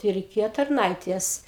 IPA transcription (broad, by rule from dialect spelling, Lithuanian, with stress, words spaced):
tɐɪ rʲɛɪˈkʲeːjoː tɐrˈnɐɪtʲeːs